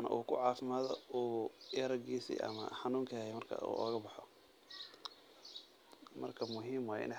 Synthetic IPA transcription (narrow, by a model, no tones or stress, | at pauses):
nɐ̰ʔuːkʰʊ̰ʕɑːfɪmaːðɔuːɐɾɐɡiːsḭʔɐ̰mɐ̰ħɑnuːŋkʰɐhɛmɐrkʰɐ̰ṵːɔːɣɐbɑħɔ | mɐ̰rkʰɐmʊɦiːmwaːʔɪ̰nɛ